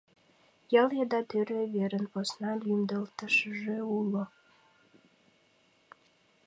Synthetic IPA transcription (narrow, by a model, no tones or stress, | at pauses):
jɑlˠjed̪ɑt̪øɾeβeɾə̆nposnɑlʲymd̪əlt̪ə̆ʃəʒeulo